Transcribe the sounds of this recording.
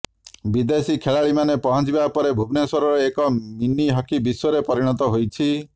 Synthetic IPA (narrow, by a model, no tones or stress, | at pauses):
bid̪esikʰeɭaɭimanepɔɦɔ̃d͡ʒibapɔɾebʱubnesɔɾɔɾɔekɔminiɦɔkibiswɔɾepɔɾiɽ̃ɔt̪̬ɔɦojt͡ʃʰi